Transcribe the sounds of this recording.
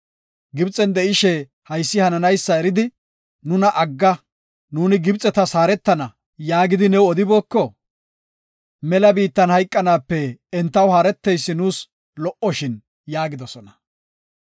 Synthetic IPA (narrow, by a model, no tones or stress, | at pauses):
ɡɪbt͡sʼɛnd̪ɛʔɪʃɛ | hɐjsːɪhɐnɐnɐjsːɐɛɾɪd̪ɪ | nʊnɐʔɐɡːɐ | nuːnɪɡɪbt͡sʼːɛt̪ɐsaːɾɛt̪ːɐnɐ | jaːɡɪd̪ɪnɛwɔd̪ɪboːkːɔ | mɛlɐbiːt̪ːɐnhɐjkʼːɐnaːpːɛːnt̪ːɐwhaːɾɛt̪ːɛjsːɪnuːs | lɔʔɔʃɪn | jaːɡɪd̪ɔsɔnɐ̥